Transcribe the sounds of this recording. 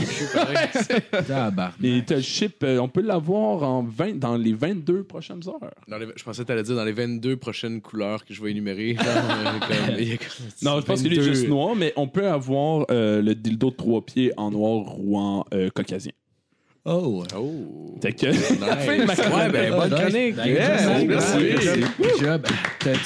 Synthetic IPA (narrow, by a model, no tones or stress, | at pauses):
baʁt̪ɛʃɪpøɔ̃pølavwaːʁɑ̃vɛ̃d̪ɑ̃levɛ̃t̪̚d̪øpχɔʃɛ̃nzœːʁd̪ɑ̃lʒə̥pɑ̃sɛt̪alɛd͡zziːʁd̪ɑ̃levɛ̃t̪̚d̪øpχɔʃɛnkʰulœːʁkəʒəvaenymeʁe | kɔmiɛkɔnɔ̃ʒəpɑ̃kkəlɥiɛɛʒɨstnwɑːʁmɛʔɔ̃pøavwaːʁøləd̪ild̪ot̪χwapjeʔɑ̃nwɑːʁːuɑ̃økɔkʲazjɛ̰̃ | oot̪ɛkʲəfɛmakbɛbɔnkʁɔnɪkmɛsi | abt̪ɛ